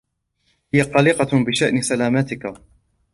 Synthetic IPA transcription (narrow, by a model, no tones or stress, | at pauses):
hɪjaqɑlɪqɑbɪʃaʔnɪsalaːmat̪ɪka